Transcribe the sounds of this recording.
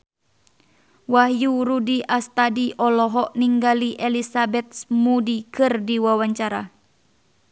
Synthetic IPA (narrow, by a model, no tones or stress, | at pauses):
waɦjuɾudiast̪adiʔɔlɔɦɔʔniŋɡaliʔɛlisabɛt̪̚smudikɨrdiwawaɲt͡ʃaɾa